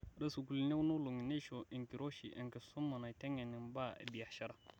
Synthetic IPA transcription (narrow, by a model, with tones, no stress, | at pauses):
ɾa˦su˨ku˨li˨˦ne˦wu˦nu˦lo˨ŋi˨ne˦ʃo˨i˨ŋki˨ɾo˦ʃḭ˨ʔḛ˨ŋke˨su˦mːa˨na˨tɛ˦ŋe˨ni˨nba̰˦˨bi˨a˨ʃa˦ɾa˨